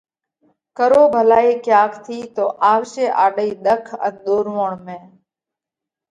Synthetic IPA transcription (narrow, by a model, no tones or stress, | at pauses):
kəɾoːbʱəlaːiːkjaːkʰt̪ʰiːt̪oːʔaːʋʃeːʔaːɗəiːɗ̪əkʰə̰nɗ̪oːɾʋoːɳmẽː